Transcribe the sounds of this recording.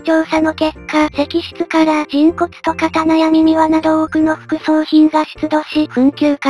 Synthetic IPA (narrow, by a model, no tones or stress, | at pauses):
t͡ɕo̞ːsano̞ke̞kʰːase̞kʲiɕi̥t͡sɨkaɾad͡ʑĩŋko̞t͡sɨ̥t̪o̞kat̪anajamʲimʲiβanad̪o̞okɯ̟no̞ɸɯ̟̥kɯ̟so̞ːçĩŋɡaɕi̥t͡sɨd̪o̞ɕiɸɯ̟̃ŋkʲɨːka